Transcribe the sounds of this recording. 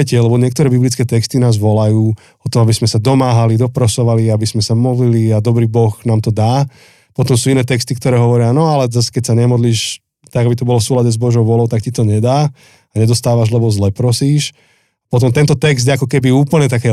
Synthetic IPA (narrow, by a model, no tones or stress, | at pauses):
ɛcɛlɛbɔɲɪɛk̚t̪ɔɾɛːbiblit͡skɛːt̪ɛkst̪inaːzʋɔlajuː | ɔt̪ɔabizmɛsad̪ɔmaːɦalid̪ɔpɾɔsɔʋaliabismɛsamɔd̪liliad̪ɔbɾiːbɔxnaːmt̪ɔd̪aː | pɔt̪ɔmsuːinɛːt̪ɛkst̪ikt̪ɔɾɛːɦɔʋɔɾɪanɔalɛzasɛ̥kɛc̚saɲɛmɔd̪liːʃ | t̪aɡabit̪ɔbɔlɔfsuːlaɟɛzbɔʒɔʊʋʊɔlɔʊt̪akcit̪ɔɲɛd̪aː | aɲɛd̪ɔst̪aːʋaʒlɛbɔzlɛpɾɔsiːʃ | apɔt̪̬ɔmt̪ɛnt̪ɔt̪ɛkzd̪jɛakɔkɛbiuːpl̩ɲɛt̪akɛ